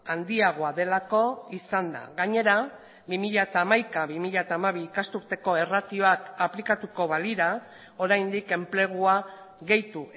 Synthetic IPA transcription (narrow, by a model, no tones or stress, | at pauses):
and̪iaɣ̞oaðe̞lako̞isand̪a̰ɣaɲe̞ɾa | bimiʎaet̪aːmajkaβimiʎaet̪aːmaβiːkast̪uɾt̪e̞ko̞e̞rat̪io̞akaplikat̪uko̞βaliɾa | o̞ɾajnd̪ike̞mple̞ɣ̞ua | ɣe̞jt̪u